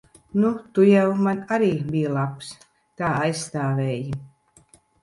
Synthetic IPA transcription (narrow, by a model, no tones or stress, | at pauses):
nut̪ujɛwmanaɾiːbʲijlˠaps | k̪aːajsst̪aːvʲɛːji